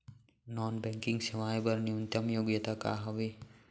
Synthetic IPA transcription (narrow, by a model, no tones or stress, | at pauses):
nɔːnbɛ̃ŋkɪ̃ŋɡsɐʋaːjbɐɾnjunt̪ɐmjoːɡjət̪aka̰ːɦɐʋi